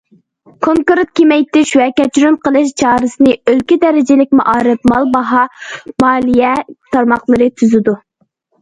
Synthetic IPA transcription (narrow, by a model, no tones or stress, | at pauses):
kʰoŋkuɾt̪kʲʰemɛjt̪ɪʃwɛkʲɛt͡ʃʰɾynqʰəlˠɨʃt͡ʃʰɑːɾɨsɨnɨølkʲid̪ɛɾɪd͡ʒɪlɪk̚ʲmɑ̰ʔɑːɾɨp̚mɑlˠbɑɦɑmɑːlˠijɛt̪ʰɑɾmɑχlˠɨɾɨt̪ʰyzyd̪u